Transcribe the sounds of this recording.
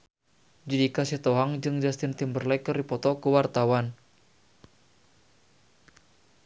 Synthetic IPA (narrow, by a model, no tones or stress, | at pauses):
d͡ʒidikasiht̪ɔɦaŋd͡ʒɨŋd͡ʒast̪ɪnt̪imbərlɛkəripɔt̪ɔkəwart̪awan